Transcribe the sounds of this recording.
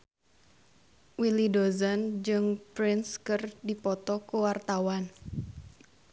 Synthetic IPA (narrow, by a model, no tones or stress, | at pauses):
wilidozand͡ʒɨŋpɾɪnskɨrdipɔt̪ɔkuwart̪awan